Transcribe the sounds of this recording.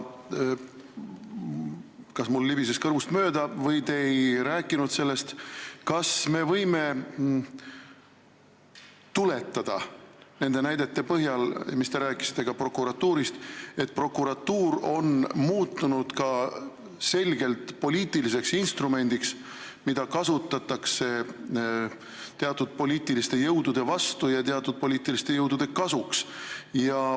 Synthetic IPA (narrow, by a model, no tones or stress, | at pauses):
kɑsmulːibise̞st̪kɤrvust̪mø̞ːd̪̥ɑvɤjt̪e̞jɾæːkːˑinud̪̥se̞lːe̞st̪kɑsme̞vɤjme̞ | t̪ule̞t̪ːɑd̪̥ɑne̞nd̪̥e̞næjd̪̥e̞t̪ːe̞pɤɦjɑlmist̪e̞ɾæːkːˑisi̥t̪ːˑe̞ɡ̥ɑpro̞kːˑuɾɑt̪ːˑuːɾist̪e̞t̪̚ːˑpro̞kːˑuɾɑt̪ːuːɾo̞nmuːt̪ːˑunud̪̥kɑ | se̞lʲɡ̥e̞lt̪po̞lʲiːt̪ˑilis̬e̞ksinst̪rume̞nʲd̪̥iks | mid̪̥ɑkɑsut̪ːˑɑt̪ːˑɑkse̞ | t̪e̞ɑt̪ːˑud̪̥̚po̞lʲiːt̪ˑilist̪e̞jɤwd̪ud̪̥e̞vɑst̪ujɑt̪eɑt̪ːˑud̪̥̚po̞lʲiːt̪ːˑilist̪e̞jɤwd̪̥ud̪̥e̞kɑsuksjɑ